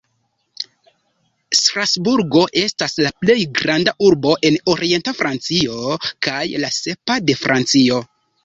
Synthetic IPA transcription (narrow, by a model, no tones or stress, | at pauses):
stɾasbuɾɡo̞ʔe̞staslaple̞jɡɾandaʔuɾbo̞ʔe̞no̞ɾie̞ntafɾʔant͡sio̞kajlase̞pade̞fɾʔant͡sio̞